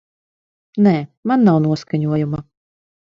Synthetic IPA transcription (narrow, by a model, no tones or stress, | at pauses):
nɛːmanːawnuɔskaɲuɔjuma